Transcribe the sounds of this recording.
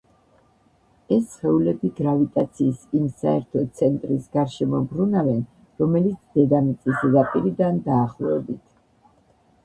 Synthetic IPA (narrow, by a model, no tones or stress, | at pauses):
ɛsχɛulɛbiɡɾavit̪ʼat̪sʰiːsimsa̰ɛɾt̪ʰɔt̪sʰɛnt̪ʼɾisɡaɾʃɛmɔbɾunavɛn | ɾɔmɛlit̪sʰd̪̥ɛd̪amit̪sʼisɾapʼiɾid̪and̪aːχlˠɔɛbit̪ʰ